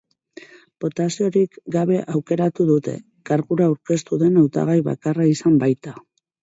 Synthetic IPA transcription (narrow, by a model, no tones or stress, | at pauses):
b̥o̞t̪asio̞ɾikɡaβ̞e̞ʔawke̞ɾat̪uðut̪e̞̰ | kaɾɣuɾauwɾke̞st̪uðe̞nawt̪a̰ɣ̞ajβa̰karaisambajt̪a